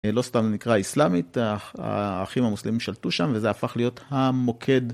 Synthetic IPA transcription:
lo̞st̪amnikʁaislamita̰aχimamuslemimʃaltuʃamvezeafaχlijo̞thamo̞kʰe̞d

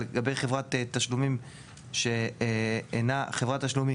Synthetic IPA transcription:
eɡabe̞jχevʁat̪et̪aʃlumim | ʃe | enaχevʁat̪aʃlumi

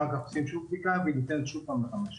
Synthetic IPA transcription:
alkaχosimʃuvbdikavinit̪ɛnet̪ʃuvpamleχamaʃ

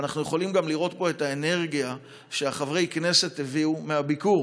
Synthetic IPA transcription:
anaχnujeχo̞limɡamliʁo̞t̚bo̞e̞taene̞ʁɡija | ʃeaχavʁejkne̞se̞tːeviumeabikuʁ

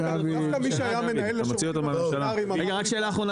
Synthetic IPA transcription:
a | amiʃajamenelmot͡siot̪amalʃalaimʁeɡaʁakʃe̞ːlaːχʁo̞na

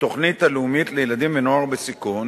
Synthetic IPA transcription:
t̪o̞χnit̪aleumit̪lejelad̪imvenoaʁbesikun

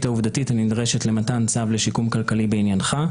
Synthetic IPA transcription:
tauvdatitanidʁeʃe̞tle̞matant͡savleʃikumkalkalibeinjanχa

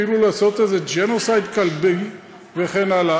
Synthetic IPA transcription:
iɾulaːso̞t̪ezed͡ʒenosajd̪kalbi | veχenala

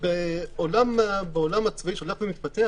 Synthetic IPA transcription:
beolambeolamat͡svaiʃolaχlimit̪̚pat̪ea

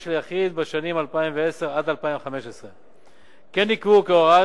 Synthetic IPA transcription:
ʃeljaχid̪̚beʃanimalpaimveese̞ʁad̪alpaimveχame̞ʃesʁe | kenːikvukeoʁa

